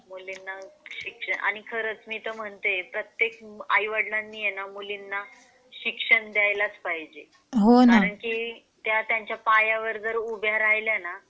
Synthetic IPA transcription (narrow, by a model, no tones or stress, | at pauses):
mulinːaɕikʂəɳʔa̰ɽ̃ikʰəɾət͡smiːt̪əm̤əɳt̪epɾət̪jekajʋəɽlanːiːjenamulinːa | ɕikʂəɳd̪jajlat͡spaɦid͡ʑe | ɦonkaɾəɳkiː | t̪jat̪jaɲt͡ɕjapajaʋəɾd͡zəɾubʱjaɾajljana